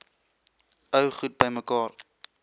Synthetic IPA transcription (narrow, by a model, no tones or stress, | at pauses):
əwχut̚bəjməkɑːr